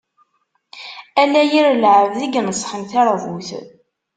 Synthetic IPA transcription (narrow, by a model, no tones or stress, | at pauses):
ælæjiɾəlʕəvðiɡnəsːχənθæɾˤvuθ